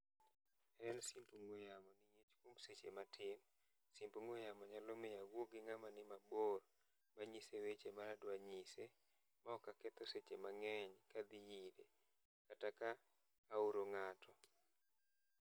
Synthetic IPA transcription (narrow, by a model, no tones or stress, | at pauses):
ɛlsimpuŋwojamɔnɪjet͡ʃkwomset͡ʃḛmatʰɪm | simpuŋojamɔɲalɔmɪjawwoɡɪŋamanɪmabor | maɲisewet͡ʃemaɾadwaɲise | maɔkaket̪ɔset͡ʃemaŋɛɲkad̪ɪjide | katakaː | uɾoŋatʰɔ